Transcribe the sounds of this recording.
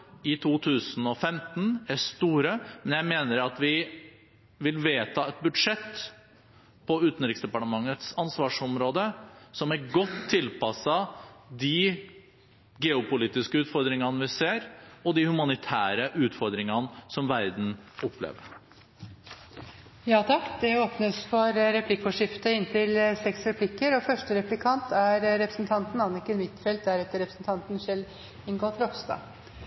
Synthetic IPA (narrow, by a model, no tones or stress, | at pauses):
ɪt̪ʰuːt̪ʰʉːsn̩ɔfɛmt̪n̩æʂt̪uːɾəmɛnjæɪmeːnəɾɑt̪ʋɪ | ʋɪlʋeːt̪ʰɑːɛt̪̚bʉd̪ʂɛt̪ː | pʰɔʉːt̪n̩ɾɪksd̪ɛpɑʈəmɑŋːət̪sɑnsʋɑːʂɔmɾoːd̪əsɔmæɾɡɔt̪ʰːɪlpɑsɑd̪ɪ | ɡɛːʊpʊliːt̪ɪskəʉːt̪fɔɾd̪ɾɪŋɑnʋɪseːɾɔd̪ɪhʉmɑnɪt̪ʰæːɾəʔʉːt̪fɔɾd̪ɾɪŋɑnəsɔmʋæɾd̪n̩ɔpːlḛːʋə̰ɾ | jɑːt̪ʰɑkːd̪ɛoːpnəsfɔɾɾɛpʰlɪkːfɔʂɪft̪əɪnt̪ʰɪlsɛksɾɛpʰlɪkːəɾɔfœʂʈəɾɛplɪkʰɑnt̪ʰæɾɾɛpɾəsn̩t̪ʰɑnt̪n̩ɑnɪkənmɪt̪ːfɛlt̪̚d̪æɾɛt̪ːəɾɛpɾəsn̩t̪ʰɑnt̪n̩ʃɛl | ɪŋɡoːfɾɔfsd̪ɑ̰ː